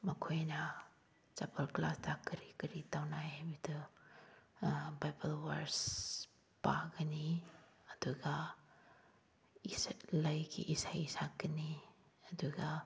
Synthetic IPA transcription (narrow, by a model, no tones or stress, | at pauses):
mɐkʰojna | t͡ʃapɐlklastʰakːəɾikɐɾitawnajɦabidɯ | bajbɐlwaɾs | paɡɐniɐduɡa | islɐjkʰḭʔisajisakːəniɐduɡa